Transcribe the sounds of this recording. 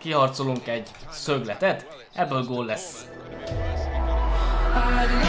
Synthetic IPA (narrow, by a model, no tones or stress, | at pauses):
kiɦɒrt̪soluŋkɛɟ | søɡlɛt̪ɛt̪ | ʔɛbːøːlɡoːlːɛs